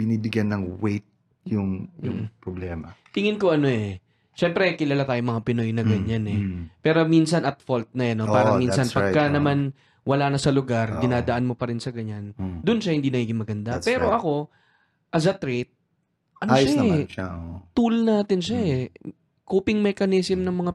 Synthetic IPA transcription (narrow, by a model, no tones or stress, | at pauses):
b̥ɪniːbɪɡjanːɐŋwejt̪̚ | jʊŋjʊpɾoblɛːmɐt̪ɪŋɪnko̞ʔɐno̞ʔɛ | ʃɛmpɾɛkɪlaːlat̪aːjomɐŋapɪno̞jnɐɡɐɲanɛpɛːɾo̞minsɐnʔɐt̪̚folt̪̚nɐjɐnopaːɾɐmisɐnpɐɡkːɐnɐman | wɐlaːnɐsɐlʊɡaɾɡ̪ɪnaːd̪ɐʔanmo̞pɐɾɪnsɐɡɐɲand̪ʊnʃɐhɪnd̪iːɐɡiːɡɪŋmɐɡɐnd̪apɛːɾoʔɐko̞ | ʔɐzɐt̪ɾet̪̚ | ʔɐnoaːʃjsaʃa̰ʔot̪ulnaːt̪ɪnʃaɛ | koːpɪŋmɛkɐnɪsɪmnɐŋmɐŋa